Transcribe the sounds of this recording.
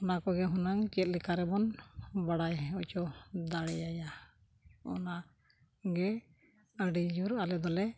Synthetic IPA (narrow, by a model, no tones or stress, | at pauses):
ɔnakɔɡɛɦunaŋt͡ʃɛt̪̚likʰaɾɛbɔnbaɽajut͡ʃɔd̪aɽɛjaja | ɔ̰na | ɡɛ | əɖid͡ʒuɾalɛd̪ɔlɛ